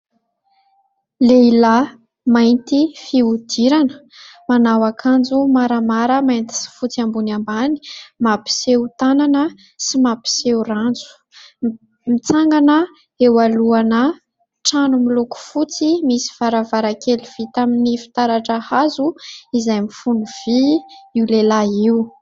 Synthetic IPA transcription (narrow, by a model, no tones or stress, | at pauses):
leila | majnt̪ifiud̪̥iɾanə̥ | manawakʰand͡zumaɾamaɾəmajnt̪i̥si̥fut͡siambunambani̥mapi̥sewt̪ananə | simapi̥seurand͡zu̥ | mit͡saŋɡanə | ewaluanə | ʈ͡ʂanumiluku̥fut͡simisi̥v̥aɾavaɾakeliv̥it̪aminifi̥t̪aɾaʈ͡ʂəhazuizajmifunuv̥iiwlelaiu